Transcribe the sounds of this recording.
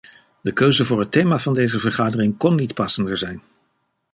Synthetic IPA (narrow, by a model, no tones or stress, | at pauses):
dəkøɥzəvʊːɹɦətejmaːvɑndejzəvəɹχaːdərɪŋkɔnːitpɑsəndəɹzɛjn